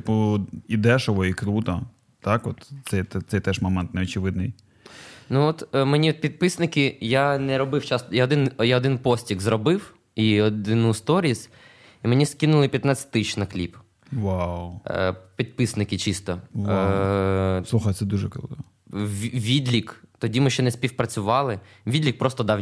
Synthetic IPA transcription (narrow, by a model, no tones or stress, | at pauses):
t̪ɪpuid̪ɛʃɔʋɔikɾut̪ɐ | t̪akɔt̪sɛjt̪ɛt̪sɛjt̪ɛʒmɔmɛnt̪nɛɔt͡ʃɪʋɪd̪nɪj | nuɔt̪menʲit̪̚pʲid̪̚pɪsnɪkɪjanɛɾɔbɪwt͡ʃast̪jaɔd̪ɪnjaɔd̪ɪnpɔsʲtʲiɣzrɔbɪw | iɔd̪ɪnust̪ɔɾʲisʲ | imenʲiskinʊlˠɪpʲjɐt̪nat͡sʲɪ̥t̪ʲt̪ɪʃnɐklʲip | ʋawpʲid̪̚pɪsnɪkɪt͡ʃist̪ɔw | sˠuxɐjt̪ɛd̪uʒɛkɔlˠt̪ɔ | ʋʲid̪lʲikt̪ɔdʲimɪʃt͡ʃɛnɛsʲpʲiwpɾɐt͡sʲʊʋɑlˠɪ | ʋʲid̪ʲlʲik̚pɾɔst̪ɔd̪ɑw